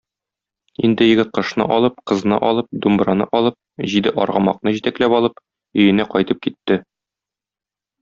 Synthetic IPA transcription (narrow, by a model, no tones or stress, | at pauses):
ind̪ɘ̆jɘ̆ɡɘt̪̚qɤ̆ʃnɤ̰ʔɒlˠɤp̚qɤ̆znɤ̰ʔɒlˠɤp̚d̪umbɾɑnɤ̰ʔɒlˠɤp̚ʑid̪ɘʔɒ̰ɾʁɑmɑqnɤʑit̪æklæpɒlˠɤp | ɵ̆jɘ̆næqɒjt̪ɤp̚kit̪ːɘ